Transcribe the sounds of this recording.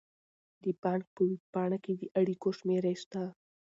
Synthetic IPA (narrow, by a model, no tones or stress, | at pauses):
d̪əpɑŋk̚pəwipɑɳaked̪əʔaɽikoʃmeɾajʃt̪a